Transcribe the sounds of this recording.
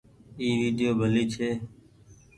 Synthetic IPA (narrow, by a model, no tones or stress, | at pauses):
iːʋiːɗ̪ɪjoːbʱəliːt͡ʃʰeː